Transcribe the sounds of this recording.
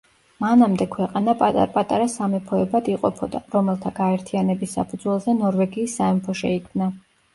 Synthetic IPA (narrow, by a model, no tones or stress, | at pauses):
manamd̪ɛkʰwɛqʼanapʼat̪ʼpʼat̪ʼaɾasamɛpʰɔɛbad̪iqʼɔpʰɔd̪a̰ɾɔmɛlˠt̪ʰaɡaɛɾt̪ʰianɛbisːa̰pʰud̪zwɛlˠzɛnɔɾvɛɡiːsːaɛmpʰɔʃɛikʰmna